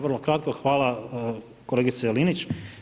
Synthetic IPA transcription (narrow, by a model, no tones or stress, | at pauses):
ʋərlˠokɾat̪̚koxʋaːla | koleːɡit̪selinit͡ɕ